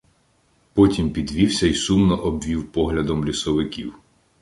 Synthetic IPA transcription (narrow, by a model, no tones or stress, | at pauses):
pɔtʲimpʲid̪ʋʲiwsʲɐisumnɔʔɔbʋʲiwpɔɦlʲɐd̪ɔmlʲisɔʋɪkʲiw